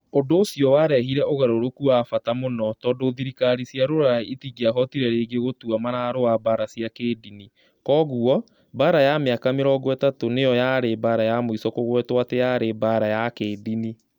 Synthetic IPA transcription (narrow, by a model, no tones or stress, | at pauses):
odoːsijɔwaɾɛɦiɾɛʔoɣaɾoɾokuafatamonɔtɔːndoðiɾikaɾisiaɾoɾaietiɣiaɦɔtiɾɛɾeːɡeɣotuamaɾaɾoabaɾasiakeːdini | kɔːɣuɔ | baɾajameakameɾɔɡwɛtatonejɔjaɾebaɾajamoisɔkoɣwɛtwatejaɾebaɾajakeːdini